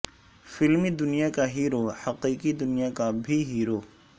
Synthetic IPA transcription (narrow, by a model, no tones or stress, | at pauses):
fɪlmid̪ʊnijakaɦiːɾohɐqiːqid̪ʊnijakabʱiɦiːɾoː